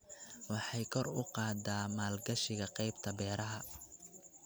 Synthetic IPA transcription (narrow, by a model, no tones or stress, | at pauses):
wɑħɑjkʰɔrʊqɑːd̪aːmaːlɡɐʃɪɣɐqɛjbt̪ʰɐbɛːɾɐɦɐ